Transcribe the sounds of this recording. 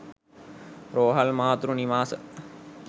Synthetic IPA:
ɾoːɦɐlmaːt̪ɾuniʋaːsə

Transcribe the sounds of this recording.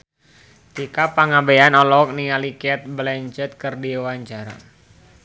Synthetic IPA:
t̪ikapaŋabeanɔlɔk̚nialikɛt̪̚blɛɲt͡ʃɛt̪̚kərdiwaɲt͡ʃaɾa̰

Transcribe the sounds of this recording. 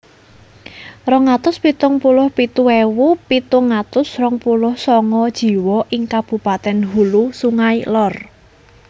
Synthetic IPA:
rɔŋat̪ʊspit̪ʊŋpulʊhpit̪uewupit̪ʊŋat̪ʊsrɔŋpulʊhsɔŋɔd̥ʒ̥i̤wɔʔɪŋkab̥ṳpat̪ɛnɦulusuŋailɔr

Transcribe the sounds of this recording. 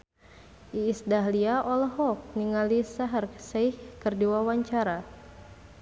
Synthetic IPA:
ʔiːsdaɦliaʔɔlɔɦɔk̚niŋalisaɦərksɛihkɨrdiwawaɲt͡ʃaɾa

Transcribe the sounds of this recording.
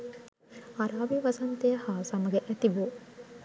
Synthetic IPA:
ɐɾaːbiʋɐsɐnt̪ejhaːsɐmɐɡɛʔæt̪ibu

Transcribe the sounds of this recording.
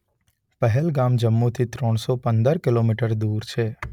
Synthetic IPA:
pɛɦɛlɡaːmd͡ʒəmːut̪ʰit̪ɾɔ̃ːɽ̃sɔpɐ̃nd̪əɾkɪloːmiːʈəɾd̪uːɾt͡ʃʰeː

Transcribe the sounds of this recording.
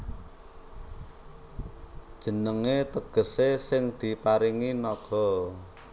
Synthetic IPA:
d̥ʒ̥ə̤nəŋet̪əɡ̥ə̤sesɪŋd̪̥i̤paɾiŋinɔɡ̥ɔ̤

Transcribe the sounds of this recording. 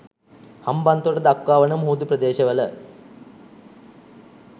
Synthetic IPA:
hɐmbɐnt̪oɽɐd̪ɐkːaːʋɐnɐmɦuːd̪uprɐd̪eːɕɐʋɐlɐ̰

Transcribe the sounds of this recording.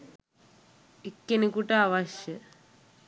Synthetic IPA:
ekːenikuʈɐaʋɐʃjə

